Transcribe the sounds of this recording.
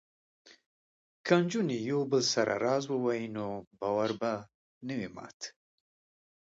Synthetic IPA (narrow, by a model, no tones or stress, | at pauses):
kand͡ʒunijowbəlsaɾʔa̰ɾɑzwəwajinobɑwaɾba | nəwimɑ̰ːt̪